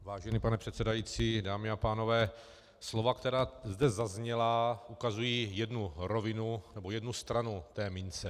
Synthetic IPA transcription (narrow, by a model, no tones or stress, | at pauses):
vaːʒɛniːpanɛpr̝̥ɛt̪sɛdajiːt͡siːdaːmɪapaːno̞vɛː | slo̞vakt̪ɛɾaːzdɛzazɲɛlaʔukazujiːjɛdnuɾovɪnunɛbo̞jɛdnust̪ɾanut̪ɛːmɪnt͡sɛ